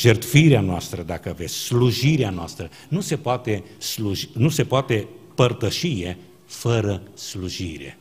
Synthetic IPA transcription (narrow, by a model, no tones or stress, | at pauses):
ʒert̪fiɾeanoast̪ɾəd̪akəave̞sʲsluʒiɾeanoast̪ɾə | nuse̞poat̪e̞ | sluʒinuse̞poat̪e̞pərt̪əʃije̞ | fəɾəsluʒiɾe̞̰